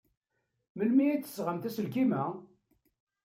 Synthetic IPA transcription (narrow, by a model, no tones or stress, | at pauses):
məlmijæt͡sːə̥sʁəmt̪æsəlkimæ